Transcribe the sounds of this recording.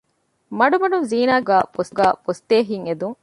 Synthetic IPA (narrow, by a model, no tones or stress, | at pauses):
mɐɖumɐɖunziːnaːɡæːfosɡæːpost̪eːɦiŋed̪uŋ